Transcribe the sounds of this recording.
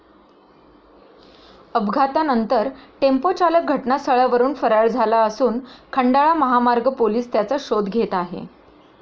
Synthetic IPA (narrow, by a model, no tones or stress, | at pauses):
əbɡʱat̪anənt̪əɾʈempot͡ɕalək̚ɡʱəʈnasəɭəʋəɾuːnfəɾaɭd͡zʱalaəsuːnkʰəɳɖaɭaməɦamaɾɡʱəpoliːst̪jat͡səɕod̪ɡʱet̪aɦḛ